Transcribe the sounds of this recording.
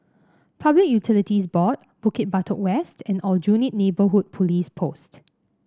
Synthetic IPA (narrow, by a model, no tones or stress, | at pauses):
pʰablɪk̚jutʰilitisbɔt̚ | b̥ukɪt̚batʰɔʔwɛstʰɛ̃nɔld͡ʒunit̚nebəɦud̚pʰɔlispʰost